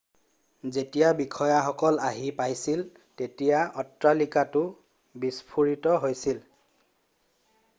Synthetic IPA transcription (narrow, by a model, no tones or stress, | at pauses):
zetijabikʰɔjaxɔkɔlaɦipajsil | tetijaɔtɹalikatʊ | bispʰuɹitɔɦojsil